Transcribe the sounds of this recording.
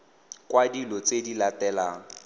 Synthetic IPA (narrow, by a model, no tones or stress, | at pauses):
kwadilɔt͡sedilatɛlaːŋ̩